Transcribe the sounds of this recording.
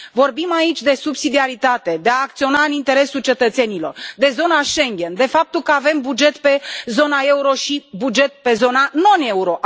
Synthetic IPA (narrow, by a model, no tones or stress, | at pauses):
vo̞rbimait͡ʃʲd̪e̞subsid̪iaɾit̪at̪e̞d̪e̞aːk̚t̪sio̞naɨnint̪e̞ɾe̞sult͡ʃe̞t̪ət̪se̞nilo̞rd̪e̞zo̞naʃe̞ŋɡʲe̞nd̪e̞fap̚t̪ulkəave̞mbud͡ʒe̞t̪pe̞zo̞nae̞uɾo̞ʃibud͡ʒe̞t̪̚pe̞zo̞nano̞ne̞uɾo̞ʔ